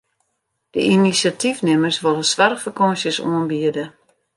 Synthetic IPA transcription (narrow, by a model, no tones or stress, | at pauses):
d̥əinisjatʰifnɪmərsʋolˠəsʋarxfərkɔnsjəsṵənbiədə